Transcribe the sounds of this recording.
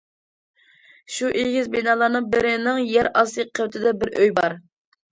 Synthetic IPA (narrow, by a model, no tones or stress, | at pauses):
ʃuʔilɡʲizbinɑːlˠɑɾnɨŋbɪɾɪnɪŋjæɾɑsˠɨqʰːəwt̪ʰɪd̪ɛbɪɾʔøjbɑɾ